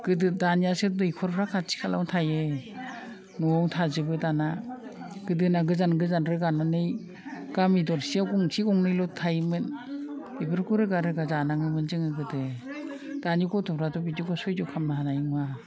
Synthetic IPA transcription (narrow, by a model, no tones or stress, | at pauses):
ɡ̥ɯdɯdanijasɯdɯjkʰɔɾpʰɾakʰasʰi̥kʰala̰wtʰajɯ | nɔaŋtʰazɯbɯdana | ɡ̥ɯdɯnaɡɯzanɡɯzanɾɯɡanɔnɯj | ɡ̥amidɔɾsiawɡɔŋsʰiɡɔŋnɯjlɔtʰajmɯnbibɯɾkuɾɯɡaɾɯɡazanaŋɯmɯnzɯŋɯɡɯdɯ | d̥aniɡɔtʰɔpʰɾadɔbidiɡɔsɔjdɔkʰamnaɦanajiŋwa